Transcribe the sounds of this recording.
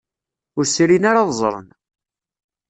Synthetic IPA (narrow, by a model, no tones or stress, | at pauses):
ʊɾsɾinaɾaðˤzˤɾˤə̰n